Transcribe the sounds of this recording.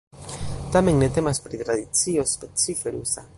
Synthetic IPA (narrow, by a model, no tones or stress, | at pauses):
t̪ame̞ŋnet̪e̞maspɾit̪ɾaðit͡siospet͡sifeɾusa